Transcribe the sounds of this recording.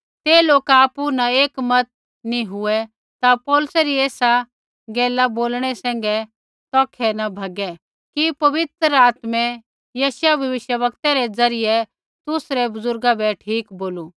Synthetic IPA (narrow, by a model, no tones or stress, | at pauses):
t̪eːloːkaːpunɐeːkmɐt̪̚ | niɦʊɛ | t̪apɔːlʊsɛɾiɛːsa | ɡɛːlaboːlɽ̃ɛsɛ̃ːŋ̆ɡɛ | t̪ɔːkʰɛnɐbʱɐɡɛ | kipɐʋɪt̪ɾəaːt̪mɛ | jɐːsjabʱjɐʋɪʃjəʋɐkt̪aɾɛd͡zɐɾɪjɛ | t̪ʊsɾɛbʊzʊɾɡabɛʈʰiːkboːluː